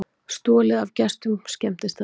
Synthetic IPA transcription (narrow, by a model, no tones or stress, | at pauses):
st̪ɔːlɪðavcɛst̪ʏmscɛm̥t̪ɪst̪a